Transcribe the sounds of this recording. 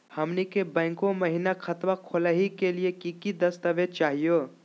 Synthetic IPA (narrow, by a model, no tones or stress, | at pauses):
həmnikebə̃ːŋkõməɦinakʰət̪makʰoləɦikelijekikid̪əst̪əʋet͡ʃaːɦijo